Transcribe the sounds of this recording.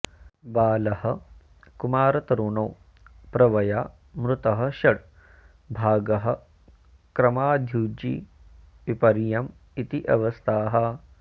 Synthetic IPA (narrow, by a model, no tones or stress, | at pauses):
baːlɐhɐ | kumaːɾɐt̪ɐɾuɳɐw | pɾɐʋɐjaː | mɾut̪ɐɦɐ̆ʃɐɽ | bʱaːɡɐɦɐ̆ | kɾɐmaːd̪ʱjuːd͡ʒḭ | ʋipɐɾjɐm | it̪iʔɐ̰ʋɐst̪ʰaːɦɐ